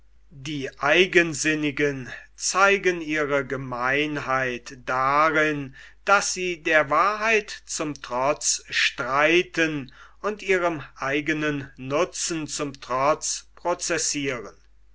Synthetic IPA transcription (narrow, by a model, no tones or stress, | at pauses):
diːʔaɪɡənzɪnɪɡənt͡saɪɡəniːʁəɡəmaɪnɦaɪtd̥aʁɪn | d̥asz̥iːdeːɐvaːɐɦaɪtt͡sʊmtʁ̥ɔt͡sʃtʁ̥aɪtənʊntʔiːʁəmʔaɪɡənənːʊt͡sn̩t͡sʊmtʁ̥ɔt͡spʁ̥ɔot͡sɛsiːʁən